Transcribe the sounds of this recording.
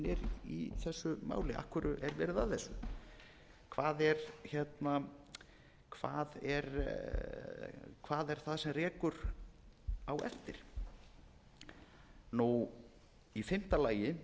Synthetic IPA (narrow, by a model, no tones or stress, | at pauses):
nɛɾḭθɛsːʏma̰ːwlɪʔa̰hkvʏɾʏʔɛɾvɛːɾɪðaθɛsːʏ | kʰvaːðɛɾçɛt̪na | kʰva̰ːðɛɾ | kʰvaːðɛɾ̥θaðsɛmrɛːkʏɾ | awɛ̰ft̪ɪɾ̥ | nu | ifɪm̥t̪alaːjɪ